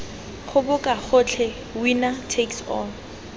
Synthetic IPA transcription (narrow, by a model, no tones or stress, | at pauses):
χʊbʊkʼaχʊt͡ɬʰɛ | winatʰeksɔn